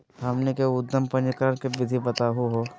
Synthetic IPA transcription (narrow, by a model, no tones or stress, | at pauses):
amnekeʊd̪ːəmpɐ̃nd͡ʒkəɾəɽ̃kebɪd̪ʱibɐt̪aɦuɦoː